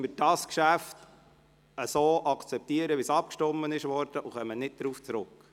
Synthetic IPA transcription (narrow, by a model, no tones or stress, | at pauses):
məɾd̥ɑskʃæft | əsoːʔɑkʰt͡sɛp̚tiəɾəʋisɑp̚kʃtɔmːənɪʃʋɔɾd̥əʔuχœmːənɪt̚d̥ɾuːft͡sɾʊk